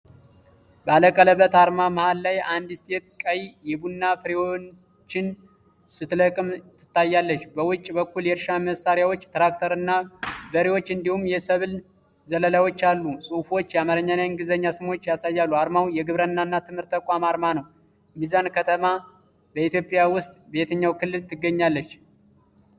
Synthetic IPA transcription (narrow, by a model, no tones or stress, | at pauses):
bəaləkʼːələbːət̪aɾmaməhalːajand̪se̞t̪kʼəjjɛbunːafɨɾewo | t͡ʃːɪn | sɨt̪ləkʼɨmt̪ʰːɨ̥t̪ːajːalːət͡ʃːbəwʊt͡ʃʼːbəkːuljɛɾʃaməsaɾjawo̞t͡ʃːt̪ɾakt̪ʰəɾɨnːabəɾewo̞t͡ʃːɨnd̪ihumːjɛsəβl | zələlawo̞t͡ʃːalːusʼufwo̞t͡ʃːjɛamaɾəɲːanaɨŋɡɨzəɲːasɨmwo̞t͡ʃːjasajːalːuaɾmawjɛɡɨβɾənːanːat̪ʰɨmhɨɾt̪ːəkʼamaɾmanəw | mizankʰət̪ʰəma | bəit̪jo̞pʼjawʊst̪ʼbe̞t̪ʰəɲːawkʰɨlːɨlt̪ʰɨɡːəɲːalːət͡ʃː